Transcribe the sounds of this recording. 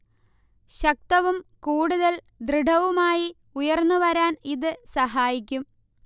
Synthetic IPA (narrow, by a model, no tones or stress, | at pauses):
ɕɐk̚t̪ɐʋumkuːɽuðɐl | d̪rɨɖʱɐʋumaːji | ujɐrnːuʋɐɾaːniðɨsɐɦaːjik̬ʲːum